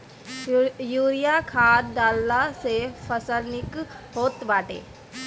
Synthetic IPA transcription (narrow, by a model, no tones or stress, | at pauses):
juːɾijakʰaːɾɖaːlːasepʰəsəɾnɪk | ɦoːt̪ʋaːʈḛː